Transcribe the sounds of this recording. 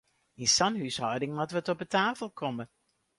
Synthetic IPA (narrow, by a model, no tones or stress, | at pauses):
insɑnhyshɔwdɪŋmatʋətɔpətaːfəlˠkʰɔmə